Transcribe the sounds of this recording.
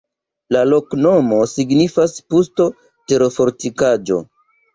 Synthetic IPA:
lalo̞kno̞mo̞siɡnifaspusto̞ | te̞ɾofo̞ɾtikad͡ʒo̞̰

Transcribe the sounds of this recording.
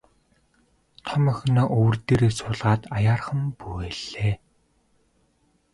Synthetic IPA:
t̪ʰɔmœ̆xʲnɔːʔɵw̆rt̪eːɾeːsʊːɮʁaːt̪ajaːrχə̆mpuɣeːɮ̥eː

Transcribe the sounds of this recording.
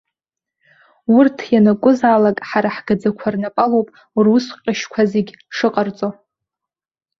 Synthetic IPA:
ʊrtʰjanakʷʼʊzalakʼħaɾaħɡ̥ad͡zakʷʰarnapʼalowpʼ | rʊsqʲʼaʃkʷʰazeɡʲʂɨqʼart͡sʼo

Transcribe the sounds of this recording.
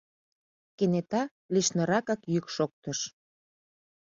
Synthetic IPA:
kenet̪ɑ | liʃnəɾɑkɑkjykʃok̚t̪əʃ

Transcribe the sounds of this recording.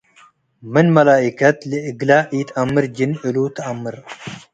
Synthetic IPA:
mɨnmɐlaːʔikʰɐt̪ləʔɨɡlaːʔit̪ɐmːɨɾd͡ʒɪnɨlut̪ʰɐɐmːɨɾ

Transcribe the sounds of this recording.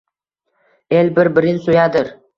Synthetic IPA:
elʲbɪɾbɪɾɪnsojad̪ɪɾ

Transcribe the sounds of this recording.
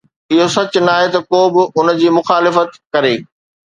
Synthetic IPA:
ɪɦosɐt͡ɕʊnaːɦet̪ɐkoːbɪʔʊn̆d͡ʑiːmʊxaːlɪfət̪kɐɾeː

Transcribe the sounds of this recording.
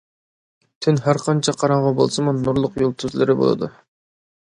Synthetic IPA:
t̪ʰynɦæɾqʰɑnt͡ʃʰɑqʰɑɾɑɴʁɑbo̰lˠsɨmunːuɾlˠʊqjolˠt̪ʰyzlɪɾɪbo̰lˠɨ̰d̪ṵ

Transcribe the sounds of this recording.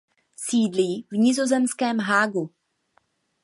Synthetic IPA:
siːdliːvɲɪzo̞zɛmskɛːmɦaːɡu

